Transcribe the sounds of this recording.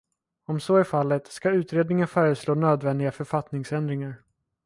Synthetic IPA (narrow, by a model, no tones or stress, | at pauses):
ɔmsoːɛfalːət̪skaʉ̟ːt̪ɾeːd̪nɪŋənfœːɾəsloːnøːd̪vɛnd̪ɪɡafœɾfat̪nɪŋsɛnd̪ɾɪŋaɾ